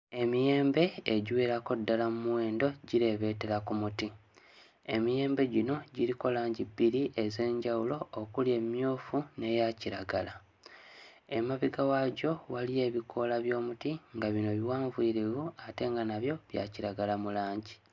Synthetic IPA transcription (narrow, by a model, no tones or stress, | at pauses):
e̞mije̞ːmbe̞ːɟweːɾako̞dːalamumuwe̞ːndo̞ɟiɾe̞βe̞ːte̞ɾakumuti | emije̞ːmbe̞ɟino̞ɟiɾiko̞laːɲɟibiɾiʔe̞ze̞ːɲɟawulo̞ːkulje̞mjoːfune̞jaciɾaɡala | emaβiɡawaɟo̞walije̞ːβikʰo̞laβjo̞ːmutiŋɡaβino̞βiwaːɱviɾivuate̞ŋɡanaβjo̞βja̰ciɾaɡalamulaːɲɟi